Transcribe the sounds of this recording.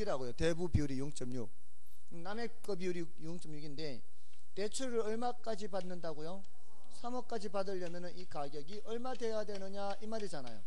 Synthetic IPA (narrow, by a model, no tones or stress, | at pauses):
iɾaɡojote̞bubiuɾijuŋt͡ɕ͈ʌmɲuk̚ | name̞k͈ʌbiuɾi | juŋt͡ɕ͈ʌmjuɡinde̞ | te̞t͡ɕʰuɾɯɾʌɭmak͈ad͡ʑipanːɯndaɡojo | sʰamʌk͈̚ad͡ʑipadɯʎːʌmjʌnɯnikaɡjʌɡiʔʌɭmadwe̞jadwe̞nɯɲa | imaɾid͡ʑana̰jo̰